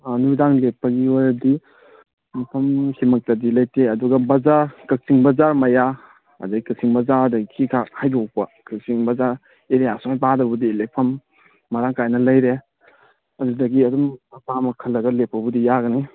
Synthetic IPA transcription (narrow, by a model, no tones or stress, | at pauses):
anudaŋlepːɐɡiaɾɐdi | mɐpʰɐmhimɐk̚tɐdilɐjteɐduɡɐbɐzaɾkɐk̚t͡ʃiŋbɐzaɾmɐja | ɐ̰daɡkɐsiŋbɐzaɾdɐɡikʰikʰahajdɔk̚pɐkɐk̚siŋbɐzaɾ | eɾijasuŋajbadɐbudilepʰɐmː | ɐɾaŋkajnɐlɐjɾe | ɐdudɐɡiɐdumɐpamɐkʰɐlːɐɡɐlepːɐbudijaɡɐni